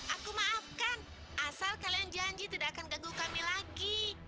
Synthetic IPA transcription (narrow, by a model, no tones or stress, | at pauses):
ʔakumaːfkan | ʔasalkaliand͡ʒaɲd͡ʒit̪idaʔakanɡaɡukamilaɡi